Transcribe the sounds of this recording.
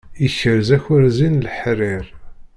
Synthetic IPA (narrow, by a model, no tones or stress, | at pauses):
içəɾzæçʊɾzinlħriɾ